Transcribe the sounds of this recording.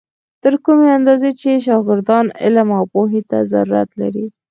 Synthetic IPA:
t̪əɾkumeand̪ɑzet͡ʃeʃ̬ɑɡɪɾd̪ɑnɪ̰lamawpoɦet̪a̰zaɾuɾa̰t̪la̰ɾi

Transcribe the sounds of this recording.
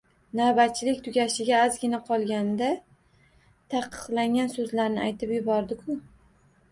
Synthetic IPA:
nabat̪̚t͡ʃʰːɪlɪkʲt̪ʰʊɡʲaʃɪɡʲaːzɡʲɪnaqʰɒlˠɡʲand̪a | t̪ʰɑqʰːɨ̥qlˠaŋɡʲansɵzlaɾnɪajt̪ʰɪpjʊbɒɾd̪ɪkʰʊ

